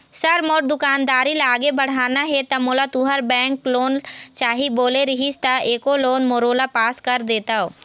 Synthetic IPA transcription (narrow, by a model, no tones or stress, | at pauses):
sɐɾmoːʈ̚d̪ʊkaːnd̪aːɾilaːɡebɐɽ̤aːnaɦɛt̪ɐmoːlat̪uːɦəɾbɛ̃ːŋkloːnt͡ʃaːɦiboːleɾɪɦist̪aʔeːkoloːnmoːɾoːlapaːskɐɾd̪eːt̪aɦo